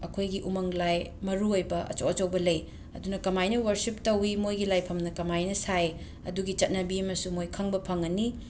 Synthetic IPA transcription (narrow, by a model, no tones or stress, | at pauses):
ɐkʰojɡiʔumɐŋlajmɐɾuojbɐʔɐ̰t͡ʃoɐt͡ʃɐwbɐlɐj | ɐ̰dunɐkɐmajnɐwɐɾsip̚tɐwimojɡilajpʰɐmnɐkɐmajnɐsaj | ɐ̰duɡit͡ʃɐt̚nɐbiɐmɐsumojkʰɐŋbɐpʰɐŋɐni